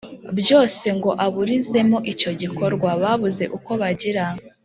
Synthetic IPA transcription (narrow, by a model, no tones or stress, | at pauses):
bjo̞ːse̞ŋɡo̞ʔaβuɾize̞mo̞ʔico̞ɟiko̞ɾɡwaβaβuze̞̰ʔuko̞βaɟiɾa